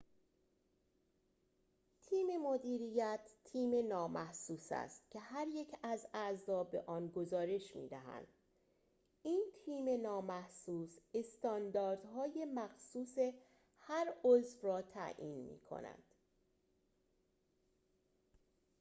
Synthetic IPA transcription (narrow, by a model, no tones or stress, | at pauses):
t̪ʰiːme̞mod̪iːɾijæt̪ʰːiːme̞nɒːmæhsuːsæ̰st̪̚cʰe̞ɦæɾje̞cʰæzæzɒːbe̞̰ʔɒːnɡozɒːɾe̞ʃmḭːd̪æɦæ̰nd̪̥ | iːnt̪ʰiːme̞nɒːmæhsuːsest̪ɒːnd̪ɒːɾd̪̥ɦɒːje̞mæxsuːse̞ | hæɾozfrɒːt̪ʰæ̰ʔḭːnmḭːkʰo̰næ̰nd̪̥